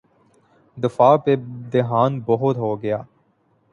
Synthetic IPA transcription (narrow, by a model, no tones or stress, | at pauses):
d̪ɪfaːped̪eɦaːnbɔɦʊt̪ɦoːɡəjaː